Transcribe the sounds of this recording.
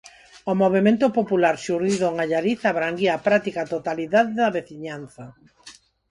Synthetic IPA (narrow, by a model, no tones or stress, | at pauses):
omoβ̞emẽnt̪opopulaɾsuɾiðoŋaʎaɾiθaβɾaŋɡiapɾat̪ikat̪ot̪aliðaðeðaβeθiɲanθɐ